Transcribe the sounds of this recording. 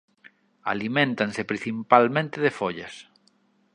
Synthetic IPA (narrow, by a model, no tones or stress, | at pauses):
a̰limẽnt̪ansepɾĩn̟θimpalmẽnt̪ɪðefoʎɐs